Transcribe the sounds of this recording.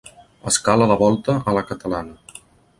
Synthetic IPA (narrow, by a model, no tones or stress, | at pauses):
əskaləðəβɔlˠt̪əʔələkət̪əlanə